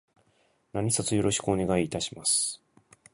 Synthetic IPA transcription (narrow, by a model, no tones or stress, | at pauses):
naɲ̟isat͡sɨjo̞ɾo̞ɕi̥kɯone̞ɡaiːt̪aɕi̥masɨ̥